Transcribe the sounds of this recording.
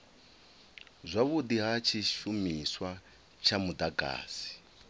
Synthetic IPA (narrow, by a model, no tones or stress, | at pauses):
zʷaβudiɦat͡ʃʰiʃumiswa | t͡ʃʰamudaɡa̰ːsi̥